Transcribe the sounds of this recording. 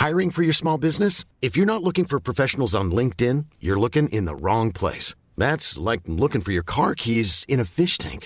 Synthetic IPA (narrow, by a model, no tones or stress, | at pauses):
haɪɹɪ̃ŋfə˞jə˞smɔlˠbɪznɨs | ɨfjə˞nətˡlʊkɪ̃ŋfə˞pʰɹ̥ɔfɛʃn̩l̩ˠzn̩lɪ̃ŋk̚tɪ̃njə˞lʊkɪ̃ŋʔɪ̰̃nðə̰ɹɔ̃ŋpʰl̥ḛɪs | ðætslaɪk̚lʊkɪ̃ŋfə˞jə˞kʰɑɹkʰizɨ̃ñɨfɪʃtʰæ̰̃ŋk